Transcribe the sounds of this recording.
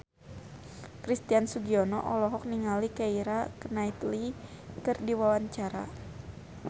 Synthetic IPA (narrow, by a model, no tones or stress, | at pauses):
kɾist̪iansuɡiɔnɔʔɔlɔɦɔk̚niŋalikaiɾakənait̪li | kɨrdiwawaɲt͡ʃaɾa̰